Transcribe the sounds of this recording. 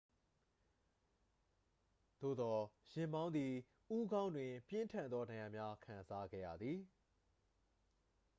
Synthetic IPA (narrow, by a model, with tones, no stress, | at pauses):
d̪̥o̰˦˨d̪ɔ˨jɪ̃˨mbã˦ʊ̃nd̪ði˨ | ʔu˦ɡã˦ʊ̃ndwɪ̃˨pjɪ̃˦ntʰã˨nd̪ðɔ˦nã˨jã˨mja˦kʰã˨nza˦ɡɛ̰˦˨ja̰˨d̪ði˨